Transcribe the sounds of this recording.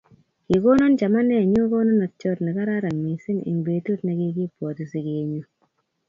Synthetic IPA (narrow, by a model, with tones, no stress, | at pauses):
ki˨ko˦nɔ˦nt͡ʃa˨ma˦nɛ˦˨ɲo˦ko˦nɔ˦nɔ˨t͡ʃɔ˦tnɛ˨ka˦ɾa˦ɾa˨mi˨si˦nɪ̰˨mbe˨tu˦tna˨ki˦ki˦pwɔ˨tu˨si˦ke˨ɲu˨